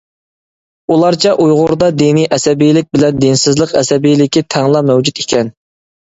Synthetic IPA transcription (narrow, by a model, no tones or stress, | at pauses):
ulˠɑɾt͡ʃʰɛʔujʁʊɾd̪ɑd̪inijʔɛsɛbijlɪk̚ʲbɪlɛnd̪ensɪzlˠəqɛ̰sɛbijlɪkʲit̪ʰɛŋlˠɑmɛwd͡ʒyt̪ikʲʰɛn